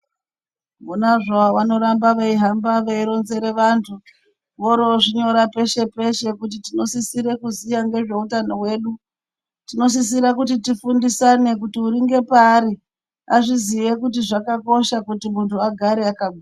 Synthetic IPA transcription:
munaʐaʋano̞ɾambaʋaiɦambaʋeiɾo̞nze̞ɾe̞ʋantʰu | ʋoɾoʐiɲo̞ɾape̞ʃe̞pe̞ʃe̞kutitino̞sisiɾe̞kuzijaŋɡe̞ʐe̞utano̞we̞ːɗu | tino̞s̬is̬iɾakutitifundisane̞k̬utiuɾiŋɡe̞paːɾi | aʐiziʋekutiʐakako̞ʃakutimuntʰuaɡʱaɾeakaɓua

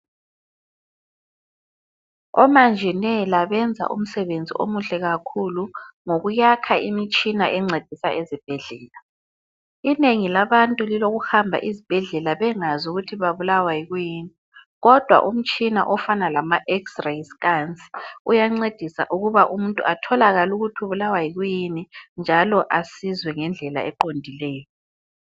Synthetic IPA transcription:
ɔ̰mand͡ʒʱɛnɛlaβɛnd͡zʱa̰ʔṵm̩sɛβend͡zʱḭʔo̰muɬɛɣakʰuluŋoɣujakʰaimit͡ʃʼinaʔɛŋ͡ǀed̥ʱisa̰ʔezib̥ʱɛɮɛːla | ineŋilaβantʼuliloɣuhambʱa̰ʔizib̥ʱɛɮɛlaβɛŋazuɣutʰiβaβulawajiɣujiːni | ɣɔd̥ʱwa̰ʔum̩t͡ʃʼina̰ʔɔfanalamaʔɛksrajskant͡sʼi̥ujaŋ͡ǀed̥ʱisa̰ʔuɣuβaʔum̩ntʼṵʔatʰɔlaɣaluɣutʰiuβulawaiɣujinind͡ʒʱalɔʔasizwɛŋɛnd͡ɮʱɛla̰ɛǃondʱilɛːjɔ

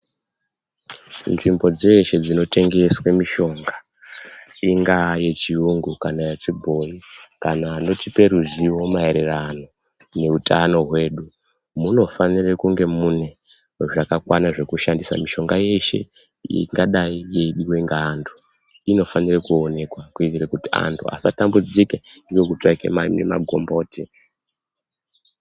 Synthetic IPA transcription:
nʐimbo̞d͡zeʃe̞d͡zino̞te̞ŋɡe̞swemiʃo̞ŋɡa | iŋɡaje̞t͡ʃiuŋɡukanajat͡ʂibʱo̞nikanaːno̞tipe̞ɾuziwo̞mae̞ɾe̞rano̞ | ne̞utano̞ɦwe̞ːɗu | muno̞fanirekuŋɡe̞mune̞ | ʐakakwanaʐe̞kuʃandisa̰miʃo̞ŋɡaje̞ʃe̞̰ | ḭŋɡaɗaije̞iɗiweŋɡaːndʰu̥ | ino̞fanirekuone̞kwakuitirekutia̰ntʰua̰satambud͡zikendiwekutakḛmanḛma̰ɡʱo̞mbo̞ːte

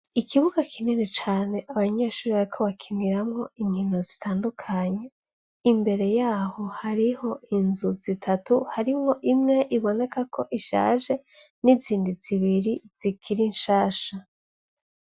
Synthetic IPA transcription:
ikʰiβuɡakʰininet͡ʃaːne̞ʔaβaɲeːʃuːɾiβaɾikʰo̞βakʰiniɾamŋo̞iɲino̞zitʰaːndukʰaɲe | imbe̞ɾe̞jaːho̞haɾiho̞inzuzitʰatuhaɾimŋo̞ʔimŋe̞ʔiβo̞ne̞kako̞ʔiʃa̰ːʒe̞ | niziːndiziβiɾiz̥ikʰiɾinʃaːʃa

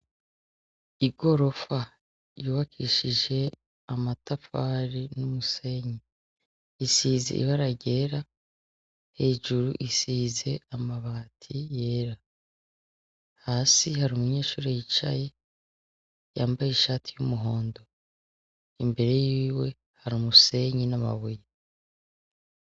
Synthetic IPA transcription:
iɡo̞ɾo̞fa | juːβakʰḭʃiʒe̞ | amatafaɾinumuse̞ɲi | isiːzḛʔḭβaɾaɟe̞ːɾa | he̞ːʒuɾuʔisiːze̞amaβaːtʰije̞ːɾa | haːsihaɾumuɲe̞ːʃuːɾejit͡ʃa̰je̞ | jaːmbajeʃaːtʰijumuɦo̞ːndo̞ | imbe̞ɾe̞jiiːwe̞ | haɾumuse̞ɲinama̰βuje

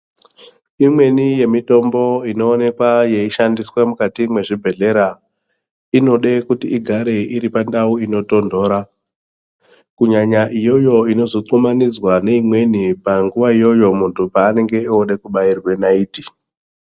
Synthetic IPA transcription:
imwe̞nije̞mito̞mbo̞ino̞ːne̞kwaje̞iʃandiswamukatimwe̞ʐibʱe̞ɮe̞ɾa | ino̞ɗe̞kutiːɡʱaɾe̞iɾipandauino̞to̞ndo̞ːɾa | kuɲaɲaʔijo̞jo̞ino̞zoǀumanid͡zwane̞imwe̞nipaŋɡuʋaijo̞jo̞muntʰupaːne̞ŋɡe̞ioɗe̞kuɓairwe̞naiːti

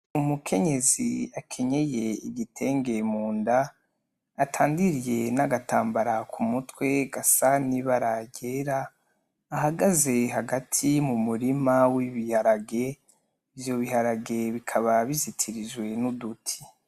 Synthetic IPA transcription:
umukʰe̞ɲe̞ziakʰe̞ɲe̞je̞iɟitʰe̞ːŋɡe̞muːndaː | tʰaːndiɾije̞naɡataːmbaɾakʰumutwe̞ɡasaniβaɾaɟe̞ɾaː | ɦaɡaze̞ɦaɡatʰimumuɾimawiβihaɾaɡe̞ | ivjo̞βiɦaɾaɡe̞βikʰaβaβizitʰiɾiʒwe̞nudutʰi̥

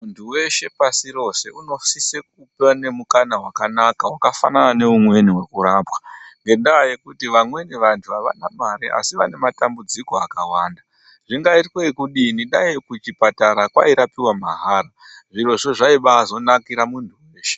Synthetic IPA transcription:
muntʰuwe̞ʃe̞pasiɾo̞se̞ʔuno̞sisek̚upane̞mukanawakanakawakafa̰nanane̞umwe̞niwe̞kuɾaːpwḁŋɡe̞ndajekutiʋamwe̞niʋantʰuaʋa̰namaɾiʔa̰siʋa̰ne̞matambud͡ziko̞akawaːnda | ʐiŋɡaitweikuɗiniɗaikut͡ʃipataɾakwa̰iɾapiwamaɦaːɾa | ʐiro̞ʐoʐaiɓaːzo̞nakiɾamuntʰuwe̞ːʃe

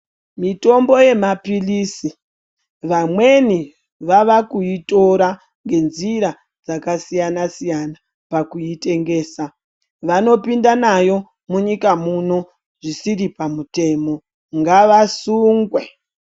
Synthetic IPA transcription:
mito̞mbo̞je̞mapilisi | ʋamwe̞ni | ʋaʋakuito̞ɾa | ŋɡe̞nziɾa | d͡zakasijanasijana | pakuite̞ŋɡe̞ːsa | ʋano̞pindanajo̞ | muɲikamuno̞ | ʐisiɾipamute̞ːmo̞ | ŋɡaʋasuːŋɡwe̞

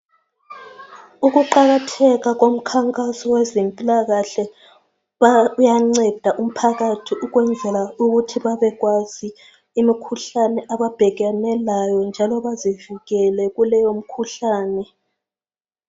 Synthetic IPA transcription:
uɣuǃaɣatʰɛɣaɣom̩kʰaŋkʼasɔwɛzempʼilaɣaɬɛ | βjaŋ͡ǀɛd̥ʱaʔum̩pʰaɣatʰiʔuɣwɛnd͡zʱɛlauɣutʰiβaβɛɣwaziː | mikʰuɬanɛʔaβab̥ʱɛɣanɛlajɔnd͡ʒʱalɔβazivuɣɛlɛɣulɛjom̩kʰuɬaːnɛ

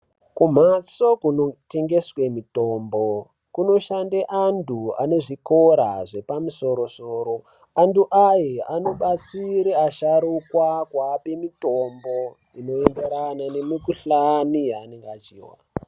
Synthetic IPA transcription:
kum̤aso̞kunote̞ŋɡe̞swe̞mitoːmbo | kuno̞ʃandeʔandʰua̰ne̞ʐiko̞ɾa̰ʐe̞pamuso̞ɾo̞soːɾo̞ | anduʔajeano̞ɓat͡siɾeaʃaɾukwakwape̞mitombo̞ | ino̞enɡeɾanane̞mikuɬanijaːneŋɡat͡ʃiːwa̰

